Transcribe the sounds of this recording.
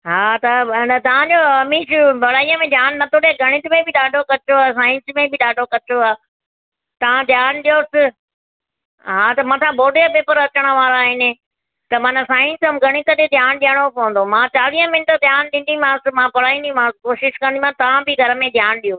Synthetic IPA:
ɦaːt̪ɐnt̪ɐʋ̤ãd͡ʑoːɐmiːʃʊbɐɽaːijəmẽd̪ʱjaːnːɐt̪ʰoːɽeɡʱɐɽ̃ɪt̪ɪmẽbɪɗaːɖʱokɐt͡ɕoaːs̬aːɪ̃nsmẽbɪɗaːɖʱokɐt͡ɕoaː | t̪ɐʋãd̪ʱjaːnɗijoːsɪ | ɦaːt̪ɐmãːt̪ʰãbʱoːɖeapeːpəɾɐt͡ɕəɽ̃ə̆ʋaːɾaaːɦɪnɪ | t̪ɐmaːnãsaːɪ̃nsəmɡʱɐɽ̃ɪt̪ət̪ed̪ʱjaːnɗiəɽ̃opɐʋə̃nd̪omãːt͡ɕaːɾiːə̃mɪnʈd̪ʱjaːnɗɪ̃ːnd̪imãsɪmãːpɐɽaːĩnd̪imãkoːʃɪʃkɐ̃nd̪imãt̪ɐʋãbɪɡʱɐɾə̆mẽd̪ʱjaːnɗijoː

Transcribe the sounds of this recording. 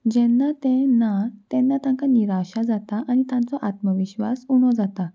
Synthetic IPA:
d͡ʑɛnːat̪ɛ̃nːat̪ɛnːat̪ãŋkaniɾaɕad͡zat̪aʔaɽ̃it̪ãnt͡sɔʔat̪məʋiɕʋa̰suɽ̃ɔd͡zat̪a

